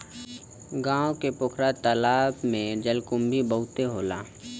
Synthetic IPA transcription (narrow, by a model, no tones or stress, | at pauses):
ɡãːõkepʊkʰɾat̪əlaːbmẽd͡ʒəlkʊmbʱibəɦʊt̪eɦoːla̰ː